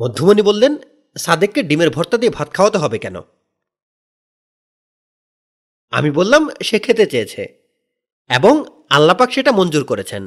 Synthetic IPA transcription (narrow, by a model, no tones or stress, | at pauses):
mod̪ʱːumonibolːen | sad̪ekːeɖimeɾbʱɔɾt̪ad̪iebʱat̪̚kʰaoat̪oɦɔbekɛno̰ | a̰mibolːamʃekʰːet̪et͡ɕejet͡ɕʰḛ | eboŋ | alːapakʃeʈamond͡ʑuɾkoɾet͡ɕʰen